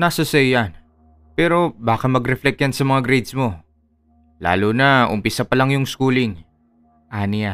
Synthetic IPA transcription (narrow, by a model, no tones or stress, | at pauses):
nasɐsɐjɐn | pɛːɾo̞baːkɐmɐɡɾɛflɛk̚jɐnsɐmɐŋaɡɾejd̪smo̞ | la̰ːloːnɐʔʊmpɪsɐpɐlɐŋjʊŋskuːlɪŋ | ʔaːnɪja